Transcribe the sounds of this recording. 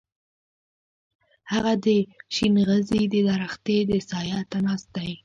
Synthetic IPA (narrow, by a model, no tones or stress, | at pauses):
haɣad̪əʃinɣəzid̪əd̪aɾaxt̪ed̪əsɑjɑt̪anɑst̪̚d̪aj